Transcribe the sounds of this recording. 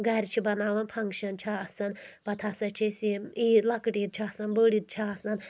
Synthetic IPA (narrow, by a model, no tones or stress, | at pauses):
ɡɐɾʲt͡ʃʰibɐnaːʋɐnpʰɐŋkʃɐnt͡ʃʰaɐsɐnpɐt̪ʰasɐt͡ʃʰisimilɐkʈit̪̚t͡ʃʰiɐsɐnbəɽit̪̚t͡ʃʰaːsɐn